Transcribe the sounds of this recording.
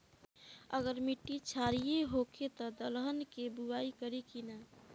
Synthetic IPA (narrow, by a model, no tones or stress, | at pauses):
ə̰ɡəɾmiʈːit͡ʃʰaɾijeɦoket̪ɔd̪əlɦənkebuaikəɾikina